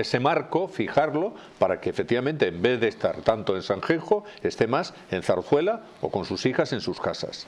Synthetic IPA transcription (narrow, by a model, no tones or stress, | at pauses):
ese̞maɾko̞fixaɾlo̞ | paɾakeːfek̚t̪iβament̪e̞ːmbe̞ððest̪a̰ɾt̪ant̪oe̞nsaŋxexo | e̞st̪e̞mas | e̞n̟θaɾθwe̞la | o̰kõ̞nsusixase̞nsuskasa̰s